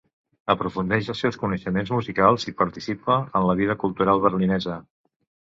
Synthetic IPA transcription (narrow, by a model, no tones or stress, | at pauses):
əpɾufund̪ɛʃəlˠsewskunəʃəmenzmuzikalˠzipəɾt̪isipəənləβiðəkulˠt̪uɾalˠβəɾlinɛzə